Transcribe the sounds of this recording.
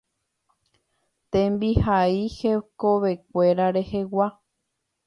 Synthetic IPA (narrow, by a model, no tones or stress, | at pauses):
t̪ẽmbihaihekoβe̞k̚ʷe̞ɾaɾe̞he̞wa